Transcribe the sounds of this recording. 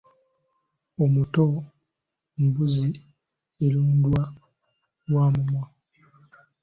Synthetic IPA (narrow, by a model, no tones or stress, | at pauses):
omuto | mbuzi | eluːndwa | lwaːmumwa